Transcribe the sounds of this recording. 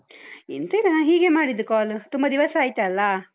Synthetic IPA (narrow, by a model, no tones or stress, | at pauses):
int̪ɐiɾɐnaɦiːɡemaːɽid̪ːukaːlut̪umbɐd̪iʋɐsaːjt̪eɐlːɐ